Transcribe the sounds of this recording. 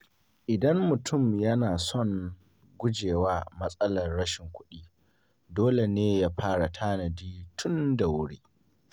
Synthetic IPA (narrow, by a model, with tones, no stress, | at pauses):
ʔɪ˨dɐ˦mːʊ˨tʰʊ˦˨mjɐ˦naː˨sɔ˦˨ŋ | ɡʷʊ˦d͡ʒeː˨waː˦mɐ˦sʼɐ˦lɐ˨rːɐ˦ʃɪ˨ŋkʷʊ˦ɗiː˦ | doː˦le˨neː˦jaː˦ɸaː˦ɽa˨tʰaː˦nɐ˨diː˦tʰʊ˦nda˨wʊ˦ɽiː˦